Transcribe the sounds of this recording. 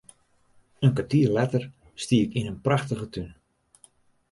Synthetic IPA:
ənkatiərlɛtər | stiɪkinənpraxtəɣətyn

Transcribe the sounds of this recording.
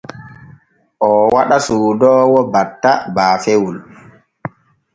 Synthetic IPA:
ʔɔwaɗasuːdɔːwɔbatːabaːfewul

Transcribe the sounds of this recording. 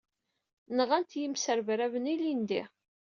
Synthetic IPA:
nʁænt̪jimsəɾvɾævənilind̪ḭ

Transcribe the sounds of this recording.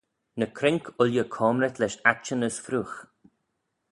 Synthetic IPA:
nəkʰɾɪŋkʰʊljəkʰɔːmɾɛt̪lɛʃakt͡ʃənəsfɾuːx

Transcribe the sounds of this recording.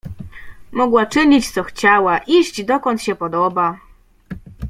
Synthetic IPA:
mɔɡwat͡ʂɘɲit͡ɕt̪sɔxt͡ɕawaʔiʑd͡ʑd̪ɔkɔnt̪ɕɛpɔd̪ɔba

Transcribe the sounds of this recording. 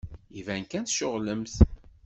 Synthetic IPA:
ivænkænt͡sʃoʁləmθ

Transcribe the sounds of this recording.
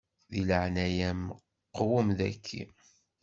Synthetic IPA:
ðiləʕnæjæm | qwʊmðæ̰kʰːḭ

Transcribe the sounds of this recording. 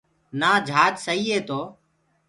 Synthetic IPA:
naːd͡ʒʱaːd͡ʒsəɦiːeːt̪oː

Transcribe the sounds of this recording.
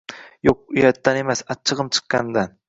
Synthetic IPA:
joq̚ʊjat̪ːanemasat̪̚t͡ʃʰːɨʁɨmt͡ʃʰɨ̥qːɑnd̪an

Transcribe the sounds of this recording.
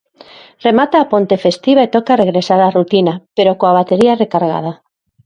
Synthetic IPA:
remat̪aːpont̪efe̞st̪iβ̞aet̪okareɣ̞ɾesaɾarut̪inapeɾokoaβ̞at̪e̞ɾiarekaɾɣ̞a̰ð̞a

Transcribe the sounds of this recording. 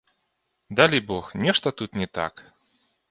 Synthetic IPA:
d̪alʲibɔxnʲɛʂt̪ɐt̪ut̪nʲɛt̪a̰k

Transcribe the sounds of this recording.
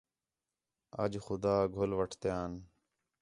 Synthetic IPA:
əd͡ʒxʊd̪aːɡʱʊlʋəʈʰt̪jaːn

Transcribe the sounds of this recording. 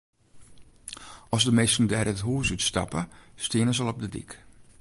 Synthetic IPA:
ɔsdəmɪstn̩dɛːɾətɦuəsytstɑ̰pəstɪənəsəlɔp̚dədḭk

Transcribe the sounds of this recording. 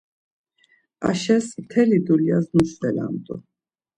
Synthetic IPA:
a̰ʃɛsmt̪ʰɛlid̪uliasnuʃvɛla̰mt̪ʼɔ̰

